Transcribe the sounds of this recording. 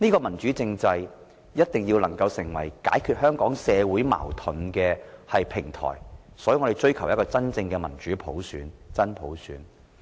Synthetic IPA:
niː˥kɔː˧mɐ˨˩nt͡ʃyː˨˥t͡sɪ˧ŋt͡sɐ˧j | jɐ˥t̚t̪ɪ˨˩ŋjiː˧wlɐ˨˩ŋkɐ˧wsɪ˨˩ŋwɐ̰˨˩jka̰ː˨˥jkʰyː˨˧t̚hœː˥ŋkɔː˨˥ŋsɛː˨˧wu˨˥jma̰ː˨˩wt̪ʰʊ˨˥nkɛː˧hɐ˨jpʰɪ˨˩ŋt̪ʰɔ̰ː˨˩j | sɔː˨˥jŋɔ˨˧te˨jt͡ʃɵ˥ɥkʰɐ˨˩wjɐ˥kɔː˧t͡sɐ˥nt͡sɪ˧ŋkɛː˧mɐ̰˨˩nt͡ʃyː˨˥pʰo˨˥wsyː˨˥nt͡sɐ˥npʰo˨˥wsyː˨˥n

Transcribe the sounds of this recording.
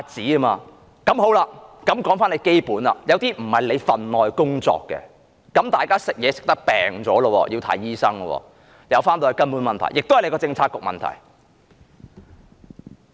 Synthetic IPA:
a˨˧t͡siː˨˥ɐ˥maː˧ | kɐ˨˥mɦo˨˥wlaː˧kɐ˨˥mkɔː˨˥ŋfaː˥nle˨˧jke˥jpuː˨˥nla̰˧˨jɐ˨˧wt̪iː˥m̩˨˩hɐ˨jle˨˧jfɐ˨nlɔː˨jkʊ˥ŋt͡sɔ̰ː˧kːɛ̰˧ | kɐ˨˥mt̪aː˨jkaː˥sɪ˨k̚jɛː˨˧sɪ̥˨k̚t̪ɐ˥k̚pɛ̰ː˨ŋt͡sɔː˨˥lə˧wɔ̰ː˧jʔiː˧wt̪ʰɐ̰˨˥˩jjiː˥sɐ˥ŋɐ˧wɔ̰ː˧˩ | jɐ˨˧wfaː˥nt̪oː˧hɐ˨˧kɐ˥npu˨˥nmɐ˨nt̪ʰɐ̰˨˩jɪ˨k̚t̪hɐ˨le˨˧jkɔː˧˥t͡sɪ˧ŋt͡sʰaː˨˩t̚kʊ˨k̚mɐ̰˨nt̪ʰɐ̰˨˩j

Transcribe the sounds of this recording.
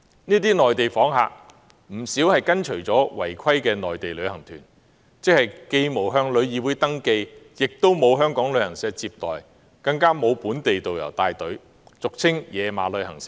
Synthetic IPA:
niː˥t̪̬iː˥nɔː˨jt̪e˨jfɔː˨˥ŋɦa̰ː˨k̚ | m̩˨˩siː˨˥whɐ˨jkɐ˥nt͡ʃʰɵ˨˩ɥt͡sɔː˨˥wɐ˨˩jkʷʰɐ˥jkɛː˧nɔː˨jt̪e˨jlɵ˨˧ɥhɐ˨˩ŋt̪ʰyː˨˩n | t͡sɪ˥k̚hɐ˨jke˧jmo˨˩wɦœː˧ŋlɵ˨˧ɥjiː˨˧wu˨˥jt̪ɐ˥ŋke˧jjɪ˨k̚t̪o˥wmo˨˧wɦœː˥ŋkɔː˨˥ŋlɵ˨˧ɥhɐ˨˩ŋsɛː˧k̚t͡siː˧p̚t̪ɔ̰ː˨j | kɐ˧ŋkaː˥mo˨˧wpuː˨˥nt̪e˨jt̪o˨wjɐ̰˨˩wt̪aː˨˧jt̪ɵ˨˥ɥ | t͡sʊ˨k̚t͡sʰɪ˥ŋjɛː˨˧ma̰ː˨lɵ˨˧ɥhɐ̰˨˩ŋsɪ̥˨˥

